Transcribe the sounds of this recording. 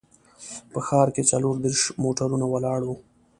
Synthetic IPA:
pəxɑɾket͡saloɾd̪eɾʂmoʈaɾunawalɑɽwu

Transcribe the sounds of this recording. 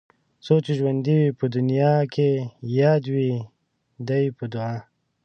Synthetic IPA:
sot͡ʃeʒwand̪iwipəd̪ʊnijɑkʰejɑːd̪wi | d̪ajipəd̪ʊɑ

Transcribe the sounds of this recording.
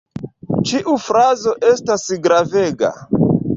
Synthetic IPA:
t͡ʃiʔufɾazo̞ʔe̞stasɡɾave̞ɡa̰

